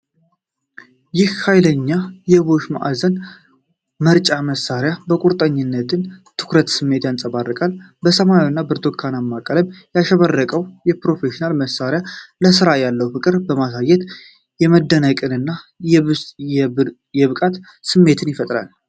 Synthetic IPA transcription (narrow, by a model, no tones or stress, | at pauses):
jɪhhajləɲːajɛβo̞ʃma̰ʔa̰zən | məɾt͡ʃʼaməsaɾjabəkʼuɾt̪ʼəɲːɪnːət̪ʰɨnt̪ʰɨ̥kɾət̪sɨmːe̞t̪jansʼəβarːɨkʼal | bəsəmajonːabɨɾt̪ʰokʰːanamːakʼələbjaʃəβərːəkʼəwjɛpɾo̞fe̞ʃinalməsːaɾjaləs̬ɨɾajalːəwfɨkʼɨɾbəmasajːɛt̪ | jɛməd̪ːənəkʼɨnɨnːa | j | jɛβɨkʼat̪ | sɨmːe̞t̪ʰɨnjɪfət̪ʼɾa̰l